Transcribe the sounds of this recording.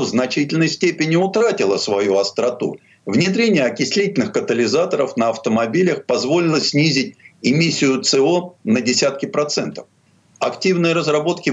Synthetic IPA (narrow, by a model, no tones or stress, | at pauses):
vznɐt͡ɕitʲɪlʲnəjsʲtʲepʲɪnʲɪʊt̪ɾatʲɪlˠəsvɐjuɐst̪ɾɐt̪ṵ | vnʲɪd̪ɾʲenʲɪjəɐkʲɪsʲlʲitʲɪlʲnɨxkət̪əlʲɪzat̪əɾəfnəɐft̪əmɐbʲilʲəxpɐzvo̞lʲɪlˠəsʲnʲizʲɪtʲɪmʲisʲːɪjʊt̪sɨonədʲɪsʲat̪̚kʲɪpɾɐt̪sɛnt̪ə̥f | ɐktʲivnɨjəɾəzɾɐbo̞t̪kʲɪ